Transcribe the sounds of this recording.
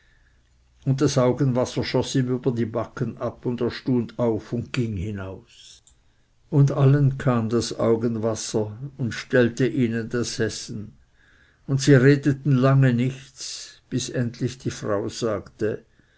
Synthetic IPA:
ʊnt̚td̥asʔaʊɡənvasɐʃɔsiːmyːbɐdiːbakənʔapʊndeːɐʃtuːndaʊfʊndɡ̥ɪŋhɪnaʊs | ʊndalənkʰaːmdasa̰ʊɡənvasɐʊntʃtɛltəʔiːnəndashɛsn̩ | ʊntsiːʁeːdətn̩laŋənɪçt͡sb̥ɪsɛntlɪçd̥iːfʁaʊz̥aːktə

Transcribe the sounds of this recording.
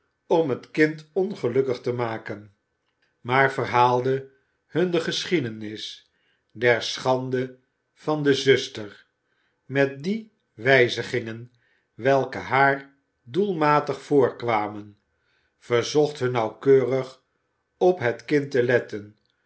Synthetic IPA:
ɔmɦətkɪntɔnχəlɵkəχtəmaːkən | maːɹvərɦaːlˠdə | hɵndəχəsχidənɪs | dɛɹsχɑndə | v̥ɑndəzɵstəɹ | mɛt̚di | ʋɛjzəχɪŋən | ʋɛlˠkəɦaːɹ | dulˠmaːtəχfʊːɹkʋaːmən | v̥əɹzɔχtɦɵnːɑwkøːrəχ | ɔpɦətkɪntəlɛtən

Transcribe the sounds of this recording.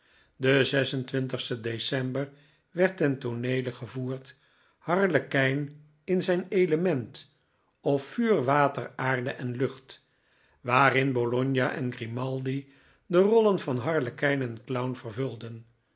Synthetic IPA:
dəzɛsəntʋɪntəχstədesɛmbər | ʋɛɹtɛntonejləχəvuːɹt | hɑɹləkɛjn | ɪnzɛjnejləmɛnt | ɔfːyːrʋaːtəraːɹdəʔɛnlɵχt | ʋaːrɪnbolɔɲjaʔɛ̰nɡrimɑlˠdi | dərɔlənvɑnɦɑɹləkɛjnɛnklʌwnvərvɵlˠdən

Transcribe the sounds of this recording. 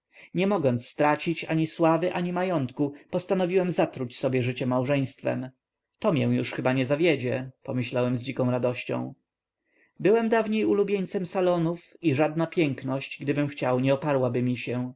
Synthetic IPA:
ɲɛmɔɡɔnt̪sst̪ɾat͡ɕit͡ɕa̰ɲiswavɘʔaɲimajɔnt̪kupɔst̪anɔvʲiwɛmzat̪ɾut͡ɕsɔbʲjɛʐɘt͡ɕɛmawʐɛj̃st̪fɛ̰m | t̪ɔmʲjɛw̃juʂxɘbaɲɛzavʲjed͡ʑɛpɔmɘɕlawɛmzd͡ʑikɔ̃w̃ɾad̪ɔɕt͡ɕɔ̰̃w̃ | bɘwɛmd̪avɲejulubʲjeɲt̪sɛmsalɔnufiʐad̪napʲjɛŋknɔɕt͡ɕɡd̪ɘbɘmxt͡ɕawɲɛɔpaɾwabɘmʲiɕɛ

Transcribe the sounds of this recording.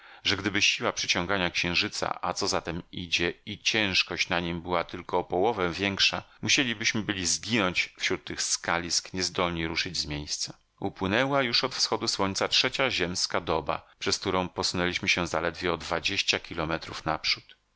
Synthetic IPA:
ʐɛɡd̪ɘbɘɕiwapʂɘt͡ɕɔ̃ŋɡaɲakɕɛ̃w̃ʐɘt̪sa̰ʔa̰t̪sɔzat̪ɛmid͡ʑɛit͡ɕɛ̃w̃ʂkɔɕt͡ɕnaɲimbɘwat̪ɘlkɔpɔwɔvɛvʲjɛŋkʂamuɕelʲibɘɕmɘbɘlʲizɡʲinɔɲt͡ɕfɕɾut̪ːɘxskalʲiskɲɛzd̪ɔlɲiɾuʂɘd͡ʑzmʲjejst̪sḁ | upwɘnɛwajuʂɔt̪fsxɔd̪uswɔɲt̪satɛt͡ɕaʑɛmskad̪ɔba̰pʂɛsk̚t̪uɾɔ̃w̃pɔsunɛlʲiɕmɘɕɛzalɛd̪vʲjɛɔd̪vad͡ʑeɕt͡ɕakʲilɔmɛt̪ɾufnapʂut̪

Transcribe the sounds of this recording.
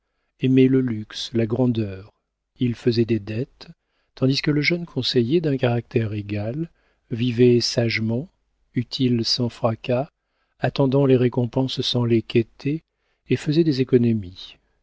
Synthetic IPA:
emɛləlykslaɡʁɑ̃d̪œːʁ | ilfəzɛd̪ed̪ɛt̪ː | ɑ̃d̪iskələʒœnkʰɔ̃sejed̪ɛ̃kaʁak̚t̪ɛʁeɡal | vivɛsaʒmɑ̃ | yt̪ʰilsɑ̃fχaka | at̪ɑ̃d̪ɑ̃leʁekɔ̃pɑ̃sːɑ̃leket̪ʰeː | fəzɛd̪ezekɔnɔmi

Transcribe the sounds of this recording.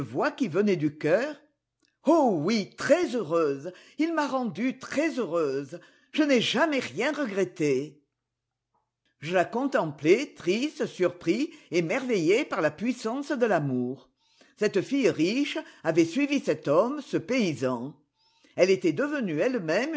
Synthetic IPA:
əvwakivənɛd̪ykœʁ | owit̪χɛzøʁøzilmaʁɑ̃d̪yt̪χɛzøʁøz | ʒ̥ənɛʒamɛʁjɛ̃ʁəɡʁet̪e | ʒəlakɔ̃t̪ɑ̃plɛt̪χist̪əsyʁpχiemɛʁvɛjepaʁlapɥisɑ̃sd̪əlamuʁ | sɛt̪əfijʁiʃavɛsɥivisɛt̪ɔmsəpeizɑ̃ | ɛlet̪ɛd̪əvənyɛlmɛm

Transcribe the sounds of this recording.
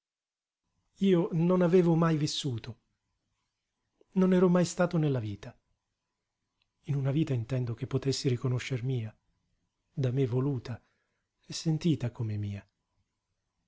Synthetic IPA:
iːononaveːvomajvisːuːt̪o | nonɛːɾɔmajst̪aːt̪onelːaviːt̪a | inunaviːt̪aint̪ɛnd̪ok̟epːot̪esːiɾikonoʃːermiːa | d̪amevːoluːt̪a | ɛsːent̪iːt̪akomemiːa

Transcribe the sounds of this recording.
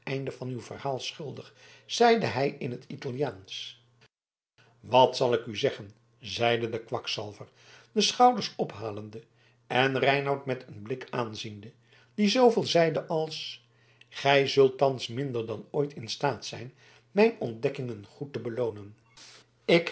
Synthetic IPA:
ɛjndəvɑnywv̥ə̰rhaːlˠsχɵlˠdəχ | z̥ɛjdəɦɛjɪnɦətitɑlˠijaːns | ʋɑtsɑlˠɪkyzɛχən | zɛjdədəkʋɑksɑ̰lˠvəɹ | dəsχɑwdəɹsɔpɦaːləndə | ɛnrɛjnɑwtmɛtʰənblɪkaːnzində | d̥izowvɪːlˠzɛjdəʔɑlˠs | χɛjzɵlˠtɑnsmɪndəɹdɑnoːjtʰɪnstaːtsɛjn | mɛjnɔndɛkɪŋənχutəbəlownən | ɪk

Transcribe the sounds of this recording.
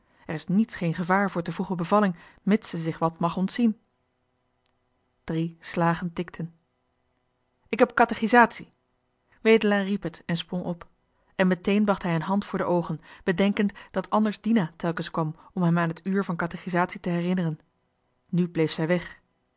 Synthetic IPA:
ʔɛrɪsnitsχejnχəvaːɹvʊːɹtəvuχəbəvɑlɪŋmɪtsəzɪχʋɑtmɑχɔntsin | d̥rislaːχəntɪktʰən | ɪkɦɛpkɑtaχizaːtsi | ʋejdəlaːripɦətɛnsprɔŋʔɔp | ɛnmətejnbɑχtɦɛjənɦɑntfʊːɹdəʔowχənb̥ədɛŋkəntd̥ɑtʰɑndəɹzdinaːtɛlˠkənskʋɑmɔmɦɛmaːnɦətyːɹvɑnkɑtaχizaːtsitəɦɛrɪnərən | nyblejfsɛjʋɛχ

